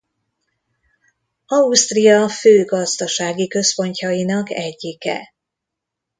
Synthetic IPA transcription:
ɒust̪rijɒføːɡɒzd̪ɒʃaːɡikø̞spo̞ɲcɒjinɒkɛɟːikɛ̰

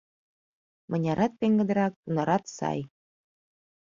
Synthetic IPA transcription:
mɤ̆nʲɑɾɑt̪̚peŋɡə̆d̪ɤ̆ɾɑk̚t̪unɑɾɑt̪sɑ̰j

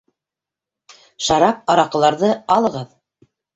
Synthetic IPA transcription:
ʃɑɾɑp̚ɑɾɑqɤ̆lˠɑɾðɤɑlˠɤ̆ʁɤð

